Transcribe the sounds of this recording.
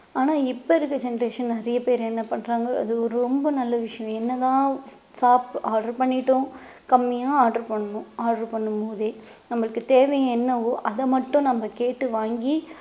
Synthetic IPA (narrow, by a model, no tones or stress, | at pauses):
aːnaːɪpːoɪɾɯkːɯd͡ʒɛnɐɾeːʂɐnnɪɾɐjɐpeːɾɛnːɐpɐɳːɾaːŋɡɐɐ̰ðɯɔɾɯɾɾɔmbɐnɐlːɐʋɪʂɐjɐ̃ɛnːɐt̪ãː | saːpaːɖɐɾpɐɳːɪʈːʊ̃ | kɐmːɪjaːaːɖɐɾpɐɳːɐnʊ̃aːɖɐɾpɐɳːɯmpoːðeː | nɐmːɐɭɯkːɯt̪eːʋɐjɐ̃ɛnːɐʋoːʔɐðɐmɐʈːʊ̃nɐmːɐkeːʈːɯʋaːŋɡi